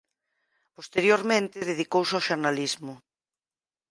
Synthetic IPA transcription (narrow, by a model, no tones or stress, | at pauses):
post̪eɾjoɾmẽnt̪ɪðeðikowsawʃoɾnalizmʊ